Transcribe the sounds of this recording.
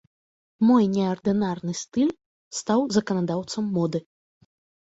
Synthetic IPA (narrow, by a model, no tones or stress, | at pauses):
mɔjnʲɛɐrd̪ɨnarnɨst̪ɨlʲ | st̪awzɐkɐnad̪awt̪sɐmːɔd̪ɨ